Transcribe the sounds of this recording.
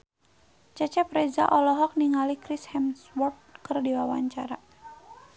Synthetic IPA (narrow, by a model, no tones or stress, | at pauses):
t͡ʃat͡ʃɛpɾɛza̰ʔɔlɔɦɔk̚niŋalikɾishɛmswɔrt̪̚kɨrdiwawaɲt͡ʃaɾa